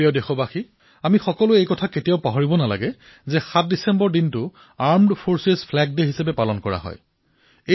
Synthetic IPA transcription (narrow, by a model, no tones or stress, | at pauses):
iɔdexɔbaxi | amixɔkɔlʊejkɔtʰaketijaʊpaɦɔɹibɔnala̰ɡɛ | zɛxat̚disɛmbɔɹdintʊ | aɹmdpʰoɹsezpʰlɛɡ̚deɦisapɛpalɔnkɔɹa̰ɦɔ̰j | e